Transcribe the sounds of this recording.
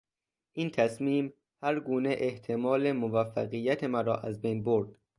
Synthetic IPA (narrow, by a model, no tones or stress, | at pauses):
ʔiːnt̪ʰæsmiːm | hæɾɡuːneʔeht̪ʰemɒːlemovæfːæɣijːæt̪ʰemæɾɒ̰ːʔæzbejnboɾd̪̥